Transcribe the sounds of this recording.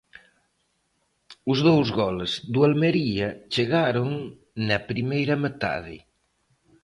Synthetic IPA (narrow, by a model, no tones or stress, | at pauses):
uzðowzɣɔlezd̪ualmeɾiɐt͡ʃeɣaɾoŋ | nɐpɾimejɾɐmet̪a̰ð̞ɪ̰